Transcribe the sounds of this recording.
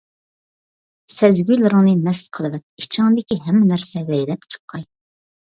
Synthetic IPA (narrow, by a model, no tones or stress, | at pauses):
sɛzɡʲyjlˠɨɾɨŋnɨmɛslqʰəlˠɨvɛt̪̚it͡ʃʰɪŋd̪ɪkʲiɦɛmːɪnæɾsɛlɛjlɛpt͡ʃʰə̥qʰːɑj